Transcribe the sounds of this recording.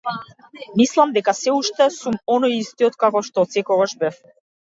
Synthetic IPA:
mislˠamd̪ɛkasɛuʃt̪ɛsumɔnɔjist̪iɔt̪kakɔʃt̪ɔt̪sɛkɔɡaʃbɛf

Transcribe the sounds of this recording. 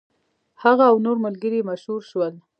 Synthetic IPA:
haɣaːwnoɾməlɡəɾimaʃhuɾʃwəl

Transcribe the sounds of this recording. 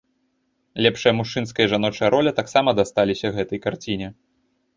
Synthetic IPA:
lʲɛpʂɨjɐmuʂt͡ʂɨn̪skɐjɐʐanɔt͡ʂɐjɐɾʔɔlʲɐt̪aksamɐd̪ast̪alʲisʲɐɣɛt̪ɐjkart͡sʲinʲɛ

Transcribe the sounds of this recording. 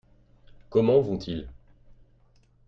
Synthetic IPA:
kɔmɑ̃vɔ̃t̪ʰil

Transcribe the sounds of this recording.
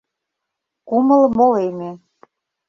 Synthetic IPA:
kuməlmoleme

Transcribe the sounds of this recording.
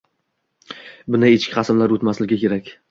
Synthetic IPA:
bʊnɪet͡ʃkʲɪ̥χɑsɪmlaɾot̪maslɪɡʲɪkʲe̞ɾakʲ

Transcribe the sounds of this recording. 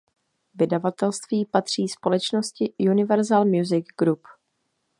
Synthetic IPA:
vɪdavat̪ɛlst̪viːpat̪r̝̥iːspo̞lɛt͡ʃno̞scɪjunɪvɛɾzalmjuzɪɡɡɾup

